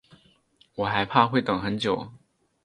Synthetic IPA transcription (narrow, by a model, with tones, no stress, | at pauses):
wɔ˨˩xa˧˥ɪpʰa˥˧xwe˥˩ɪt̪ə˨˩ŋxə˧˦nt͡ɕjo˨˩˦ʊ